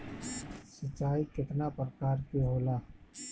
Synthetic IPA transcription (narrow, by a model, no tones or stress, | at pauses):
sət͡ʃːaːikɪt̪napɾəkaːɾkiɦoːlaː